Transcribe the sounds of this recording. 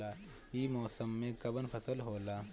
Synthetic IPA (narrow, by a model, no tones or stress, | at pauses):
aː | iːmɔːsəmːẽkɐbənpʰɐsəlɦoːlaː